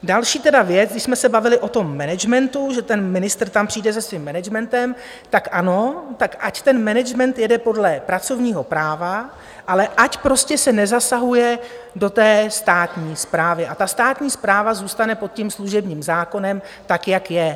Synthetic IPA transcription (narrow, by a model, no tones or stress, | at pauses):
dalʃiːt̪ɛdavjɛt͡sɡdɪʃsmɛsɛbavɪlɪʔo̞t̪o̞mːɛnɛd͡ʒmɛnt̪uʒɛt̪ɛnmɪnɪst̪r̩t̪ampr̥iːdɛzɛsvimːɛnɛd͡ʒmɛnt̪ɛm | t̪akʔano̞t̪akʔact̪ɛnmɛnɛd͡ʒmɛnt̪jɛdɛpo̞dlɛpɾat͡so̞vɲiːɦo̞pɾaːva | ʔalɛʔacpɾo̞scɛsɛnɛzasaɦujɛ | do̞t̪ɛːst̪aːt̪ɲiːspɾaːvɪʔat̪ast̪aːt̪ɲiːspɾaːvazuːst̪anɛpot̪̚cimsluʒɛbɲiːmzaːko̞nɛm | t̪akjakjɛ